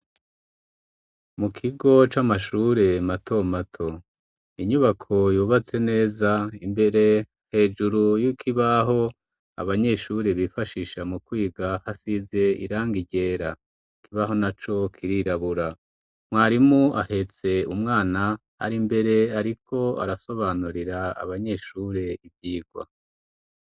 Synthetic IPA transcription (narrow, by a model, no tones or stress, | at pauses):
mukʰiɡo̞t͡ʃamaʃuːɾe̞matʰo̞matʰo̞ | iɲuβakʰo̞juːβat͡se̞ne̞ːzaimbe̞ɾe̞ | he̞ːd͡ʒuɾujikʰiβaɦo̞ | a̰βaɲe̞ʃuɾeβifaʃiʃamukwiːɡahasize̞ḭɾaːŋɡiɟe̞ːɾa | ikiβaɦo̞nat͡ʃo̞kʰiɾiɾaβuɾa | mwaːɾimuʔahe̞t͡se̞umŋaːnaha̰ɾimbe̞ɾe̞aɾikʰo̞a̰ɾaso̞βaːnuɾiɾa̰ːβaɲe̞ʃuːɾe̞ivjiːɡ̥wa̰